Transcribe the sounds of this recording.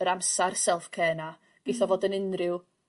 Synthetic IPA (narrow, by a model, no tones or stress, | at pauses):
əɾamsarsɛlˠfkʰɛːna | ɡ̥eθɔvoːdənɪnrɪw